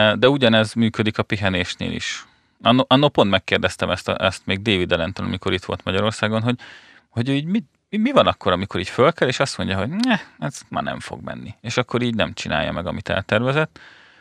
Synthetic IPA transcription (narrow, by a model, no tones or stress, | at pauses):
d̪ɛuɟɒnɛzmyːkød̪ikɒpiɦɛneːʃnḛːlḭʃ | ɒnːoʔɒnːopo̞nt̪mɛkːeːrd̪ɛst̪ɛmɛst̪ɛst̪meːɡ̚d̪eːvid̪ɛlɛnt̪onɒ̰miko̞ɾit̪ʋolt̪mɒɟɒɾo̞rsaːɡo̞nɦo̞ɟ | ho̞ɟøːiːɟmi | imivɒnɒkːo̞ɾɒmiko̞ɾiːcfølkɛleːʃɒst̪mo̞ɲɟɒɦo̞ɟnɛɛzma̰ːnɛ̰ɱfo̰ɡmɛ̰nːieːʃɒkːo̞ɾiːɟnɛmt͡ʃina̰ːjːɒ̰mɛɡɒmit̪ɛ̰lt̪ɛrvɛzɛt̪ː